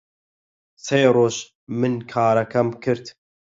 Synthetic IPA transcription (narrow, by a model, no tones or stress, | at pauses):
seːɾoːʃ | mɨnkʰɑːɾɐkʰɐmkʰɨɾt̪